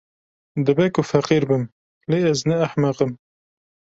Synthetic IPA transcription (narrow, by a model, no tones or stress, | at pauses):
d̪ɨbɛkʊfɐqiːɾbɨm | leːɛznɛɐħmɐqɨm